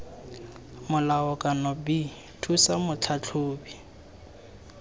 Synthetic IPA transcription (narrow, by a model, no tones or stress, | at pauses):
mʊlaɔkʼanɔbi | tʰusamʊt͡ɬʰat͡ɬʰoːbi